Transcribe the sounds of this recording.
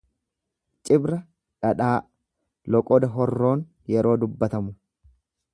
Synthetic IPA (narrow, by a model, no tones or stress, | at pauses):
t͡ʃʼɪbɾɐ | ᶑɐᶑaː | lɔkʼɔd̪ɐɦɔrːo̞ːn | jɛɾo̞ːd̪ʊbːɐt̪ɐmʊ